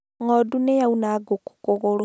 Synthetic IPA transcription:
ŋodunejaunaɡoku̥koɣolo

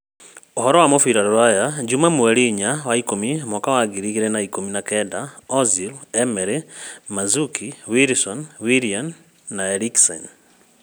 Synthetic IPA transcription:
ohɔɾɔwamofiɾaɾoɾajad͡ʒumamuaɾiɲawaikomimwakawaɡiɾiɣiɾɛnaikominakɛdaɔzilɛmɛɾɛmazukʰiwiɾsɔnwiɾianː | aeɾiksɛ̰n

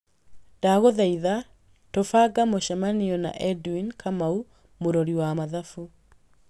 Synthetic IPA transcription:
d̥aɣoðaiða | tofaɡamoʃɛmaniɔna̰ʔɛduinkʰamau | moɾoɾiwamaðafu

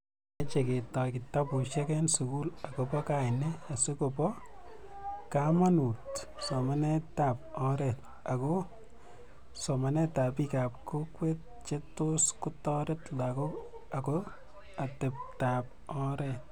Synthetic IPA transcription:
at͡ʃeketɔkitapuʃɛkɛnsukulakopɔkaɪnɛasukopɔ | kamanut | sɔmanɛtap̚ɔɾɛt | ako | sɔmanɛtapikap̚kokwet̚t͡ʃetoskutɔɾetlako | ako | atɛp̚tap̚ɔɾɛ

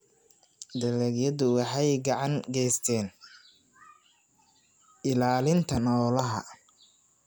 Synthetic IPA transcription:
d̪ɐlɛɡjɐðʊwɑħɑjɡɑʕɑŋɡɛjst̪ʰɛːn | ɪlaːlɪnt̪ʰɐnɔːlɐɦɐ̰

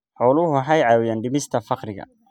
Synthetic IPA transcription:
ħɔːlʊɦʊħajʕaːwɪjaːnɖɪmɪst̪ʰɐfɑqɾɪɣɐ̰

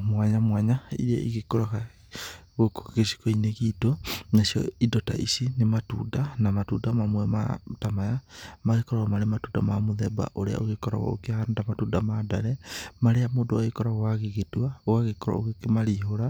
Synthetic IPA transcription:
mwaɲamwaɲaḭɾa̰ʔḭɣekoɾaɣa | ɣoko̥ɣesi̥kɔineɣitonasjɔ̰idɔta̰ʔḭsinematṵːdanamatuːdamamwɛma̰tamajamaɣekɔɾɔɣamaɾematuːdamamoðɛba̰ʔoɾea̰oɣekɔɾa̰ɣɔ̰o̰keandamatuːdamadaɾɛmaɾeamodoaɣekɔɾaɣwaɣeɣetwaoɣaɣekɔɾa̰oɣekemaɾiɦoɾa

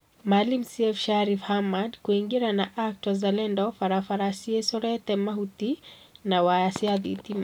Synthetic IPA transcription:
malimsiɛfʃaɾifhamadkuiŋɡiɾanaʔak̚twazalɛndɔfaɾafaɾasiɛsɔɾɛt̪ɛmahut̪inawajasiaðḭt̪ima

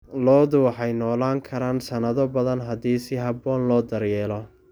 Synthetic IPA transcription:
lɔːðʊwħɑjnɔːlaːŋkʰɐɾaːnsɐnɐðɔbɐðɐnɦɐd̪iːsɪɦɐbɔːnlɔːd̪ɐɾjɛːlɔ

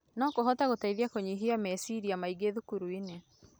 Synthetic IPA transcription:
nɔkoɦɔtaɣotaiðiakoɲiɦiamɛsiɾiamaiɡeðukuɾuine

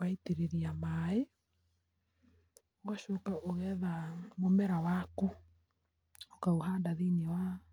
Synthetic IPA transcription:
aiteɾeɾiamae | oɣaʃokaʔoɣɛðamomɛɾawaku | okaoɦandaðiniwa

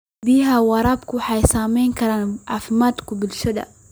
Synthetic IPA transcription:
biːɦawɑɾˤɑb̚kuħajsaːmiːnkaɾanʕafmat̪kubilʃud̪a̰

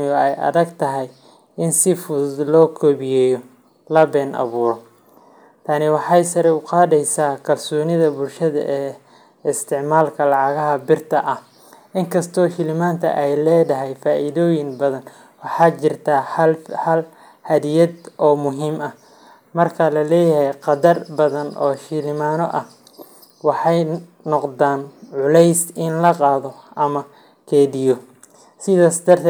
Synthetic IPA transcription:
ɪjɔɛjʔɐ̰ðɐɡt̪ʰɐɦɛj | ɪnsɪfʊd̪lɔːkʰɔːβɪjɛːjɔ | lɐbɛːnʔɑ̰βuːɾɔ | t̪ʰɐnɪwɑħɑjsɐɾɛʊqɑːðɛjsaːkʰɐlsɔːnɪðɐbʊlʃɐðɐ̰ʔɛː | ɪst̪ʰɪʕmaːlkʰɐlɑʕɑɣɐɦɐbɪrt̪ʰɐʔɐh | ʔɪŋkʰɐst̪ʰɔːʃɪlɪmaːnt̪ʰɐ̰ʔɛjlɛːdɐɦɛjfaːʔɪðɔːjɪŋbɐðɐn | wɑħɑːt͡ʃɪrt̪ʰaːhɐl | hɐðɪjɐd̪ʔɔːmʊɦiːmɐh | mɐrkʰɐlɐlɛːjɐhɛjqɑdɐrbɐðɐnɔ̰ːʃɪlɪmaːnɔʔɐh | wɑħɑj | nɔqd̪aːnʕʊlɛjsɪnlɐqɑːðɔʔɐmɐ | kʰɛːðɪjɔ | sɪðaːsd̪ɐrt̪ʰ

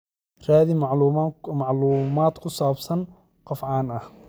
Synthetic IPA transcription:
raːðɪmɑʕumɑʕluːmaːd̪kʰʊsaːbsɐn | qɑfʕɑːnɐh

